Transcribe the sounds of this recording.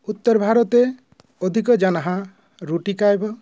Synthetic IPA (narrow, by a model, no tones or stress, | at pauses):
ut̪ːɔɾbʱaɾɔt̪e | ɔd̪ʱikɔd͡ʒanaɦã | ɾuʈikajbɔ